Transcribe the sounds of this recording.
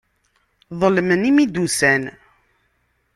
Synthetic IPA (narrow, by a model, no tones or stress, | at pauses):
ðˤəlmənimid̪usæn